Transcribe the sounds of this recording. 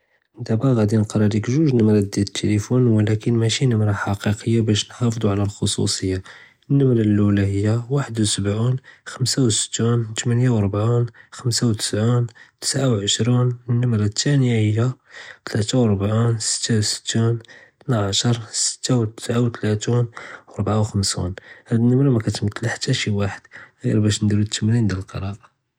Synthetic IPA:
d̪æbæɣæd̪inəlqɑɾˤɑɾikʒuʒnəmɾˤɑd̪æt̪ʰːelifunwəlækənmæʃinʊmɾɑħɑqiqəjːabæʃnħɑfd̪ˤuʕlælxosṵsˤəjːa | nːəmɾɑlːulaɦəjːawaħəd̪wsəbʕunxəmsawsə̥t̪ːunt̪mænjawəɾˤbʕinxəmsawt̪ə̥sʕint̪ə̥sʕawʕəʃɾunənːʊmɾɑt̪ʰːænəjahəjːat̪ʰlæt̪awɾˤbʕunsə̥t̪ʰːawsə̥t̪ːunt̪naʕaʃəɾˤsə̥t̪ːawt̪ə̥sʕawt̪læt̪unɾˤbʕawxəmsṵnhæd̪ənːʊmɾɑmækæt̪mt̪lħḁt̪ːæʃiwaħəd̪̥ɣiɾbæʃnd̪iɾut̪ːmɾind̪əllqɑ̰ɾˤɑɾɑ

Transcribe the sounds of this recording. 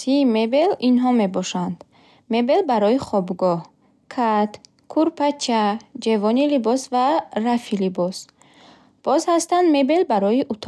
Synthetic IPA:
simebelinɦɔmebɔʃand̪ | me̞be̞lbaɾɔiχɔbɡɔh | kʰat̪ | kʰuɾpʰat͡ʃʰːad͡ʒavɔnilibɔsvaɾafilibɔs | b̥ɔzhast̪and̪me̞be̞lbaɾɔjiʔut̪ʰ

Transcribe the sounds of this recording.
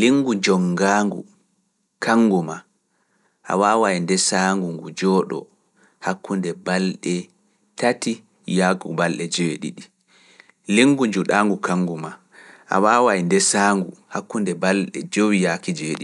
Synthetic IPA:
liŋɡud͡ʒɔŋɡaːŋɡṵ | kʰaŋːɡuma | ʔa̰waːwaindɛsaːŋɡuŋɡud͡ʒɔɗɔ̰ | hakːundɛbalɗɛ | tati | jakubalɗɛd͡ʒeɗḭɗi | liŋɡud͡ʒuɗaŋɡukaŋɡuma | ʔa̰waːwajndɛsaːŋɡuhakːundɛbalɗɛ̰d͡ʒowijakid͡ʒeɗi

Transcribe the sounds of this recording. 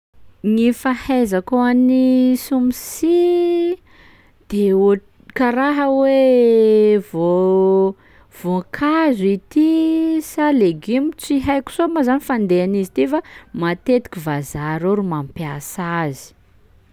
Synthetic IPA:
ŋifahajzakoanisumisi | d̪̥eo | kaɾaɦəwe | vo | v̥okʰazit̪isaleɡimit͡siɦajku̥somazanifand̪eanizit̪ifamat̪et̪i̥kʲivazaɾoɾumampiasazi̥

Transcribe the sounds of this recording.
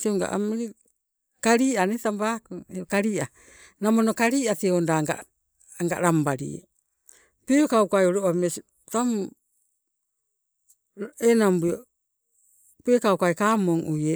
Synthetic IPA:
tioŋɡa̰ʔa̰mɾi | kaɾiːanetambakueokaɾiːʔa | namonokaɾiːateondaŋɡa̰ | ŋɡa̰ɾambaɾḭ | pekauwkajoɾoʔames | tam | enambuo | peːkawkajkamoŋʔuje

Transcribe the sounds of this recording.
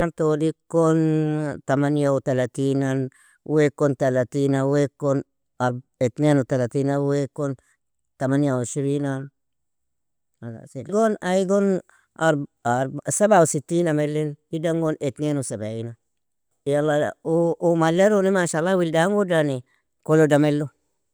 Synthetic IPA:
ant̪odikont̪amanjaut̪alat̪inan | wekont̪alat̪inawekon | aɾet̪nenot̪alat̪inawekon | t̪amanjaosiɾinan | aa̰siɡonaiɡon | aɾaɾsabausit̪ːinamelːenidaŋɡonʔet̪nenusabaina | ijalaː | maleɾonimaʃalawildaŋɡodane | kolodamelːo

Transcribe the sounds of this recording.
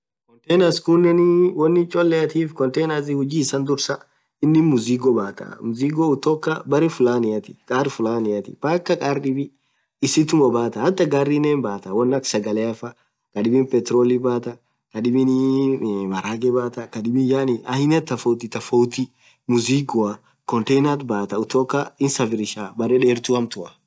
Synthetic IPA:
kɔnt̪ɛnɐskʊnːɛnɪwɔnːɪt͡ʃʼɔlːɛɐt̪iːfkɔnt̪ejnɐs̬ɪhʊd͡ʒiːsɐnd̪ʊɾsɐ | ɪnːɪmʊziɡɔbaːt̪ɐ̰mʊziːɡɔʊt̪ɔkːɐbɐɾɛfʊlaːnɪjɐt̪ɪ̥kʼaːɾfʊlaːnɪɐt̪ɪ̥̰baːkːɐkʼaːɾɗɪbɪ | ɪsɪt̪ʊmɐbaːt̪ɐɐt̪ːɐɡaːrːiːneːnbaːt̪ɐwɐnːɐksɐɡɐlɛɐfɐ | kɐᶑɪbɪnpɛt̪ɾoːlibaːt̪ɐ | kɐᶑɪbɪn | mɐɾaːɡɛbaːt̪ɐkɐᶑɪbɪnjaːnɪʔɐhɪnɐt̪ːɐfɔwt̪̬ɪt̪ɐfɔwt̪i | mʊziːɡɔɐ | kɔnt̪ɛjnɐt̪baːt̪ɐʊt̪oːkːɐɪnsɐfɪɾɪʃaːbɐɾɛᶑeːɾt̪uɐmt̪ʊɐ

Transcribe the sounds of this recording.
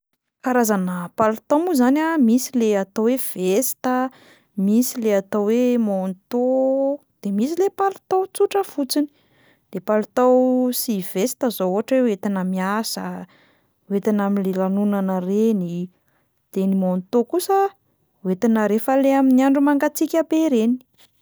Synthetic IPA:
kaɾazanəpalut̪omuzanamisileat̪owev̥est̪ə | misileat̪owwemont̪o | d̪̥emisilepalut̪awt͡suʈ͡ʂəfut͡sini̥ | d̪̥epalut̪awsiv̥est̪əzooɦaʈ͡ʂwewet̪inəmiasə | wet̪inamilelanunanəreni | d̪̥enimont̪okusə | wet̪inəɾefəleaminiaɳɖ͡ʐumaŋɡat͡sikʲabeiɾeni̥

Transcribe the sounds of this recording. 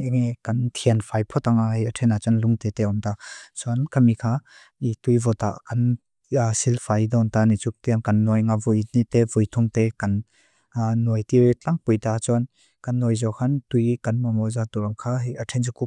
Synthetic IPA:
eŋekant̪ʰianfʰajpʰɔt̪aŋaɦejətʰɛnat͡ʃɔnluŋt̪eteɔmtat͡sɔnkamikʰa | itujvɔt̪a̰kan | silfʰajdɔnt̪anit͡sut̪ijankɐnːɔjŋavujnit̪evujt̪ʰɔŋt̪ekanː | ɔjtiɾt͡ɬaŋpujtat͡sɔn | kanːɔjzɔwkʰantujkanmamɔzat̪uɾaŋkʰaɦjʔatʰɛnzukup

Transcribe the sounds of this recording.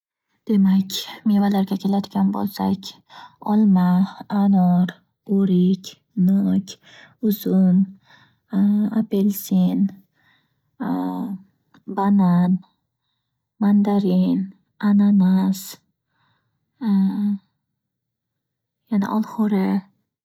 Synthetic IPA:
d̪̥e̞makʲmevalaɾɡʲakʲʰe̞lad̪ɪɡʲanbo̰lsakʲ | ɒlmaanɔɾ | oɾɪkʲ | nɔkʲ | ʊzʊn | apelsin | banan | mand̪aɾɪn | ananas | janɪ̰ʔɒlˠhʊɾɪ

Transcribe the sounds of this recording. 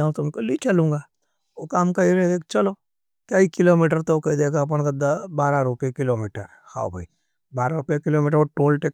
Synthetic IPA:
aõt̪ʊmkolit͡ʃɐlũːŋɡaː | oːkaːmkɐiɾed̪eːkt͡ʃɐloː | kaikɪloːmiːʈəɾt̪ookɐid̪eːkap̬əɳ̃ɡɐd̪abaːɾaɾʊpekɪloːmiːʈəɾ | kʰa̰ːo̰bʱai | baːɾaɾʊpjakɪloːmiːʈ̬əɾoʈoːlʈek

